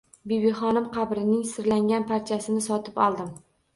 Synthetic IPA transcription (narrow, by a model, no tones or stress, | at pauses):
bibiχɒnɪmqʰɑbɾɪnɪŋsɪɾlaŋɡʲanpʰaɾt͡ʃʰasɪnɪsɒt̪ʰɪpɒlˠd̪ɪm